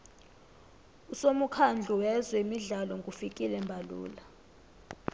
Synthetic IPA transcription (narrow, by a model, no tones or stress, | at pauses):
usomukʰand͡ɮʱuwɛzwɛimiɮalɔŋɡʼufikʼilɛmbʱalṵːla